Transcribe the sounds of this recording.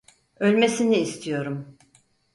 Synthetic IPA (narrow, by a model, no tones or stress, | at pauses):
ø̞lʲme̞siniːst̪ʰijo̞ɾum